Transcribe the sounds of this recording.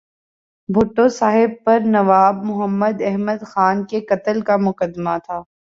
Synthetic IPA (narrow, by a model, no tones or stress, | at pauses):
bʱʊʈːõsaːɦɪb̚pɐɾnɐʋaːbmʊɦəmːəd̪ɛɦməd̪xaːnkekɐt̪əlkamʊkəd̪mat̪ʰaː